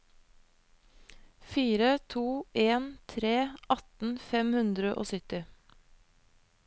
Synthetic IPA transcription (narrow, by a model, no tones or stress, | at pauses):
fiːɾət̪ʰuːʔeːnt̪ʰɾeːʔɑt̪n̩fɛmhʉnd̪ɾəʔo̰ːsʏt̪ɪ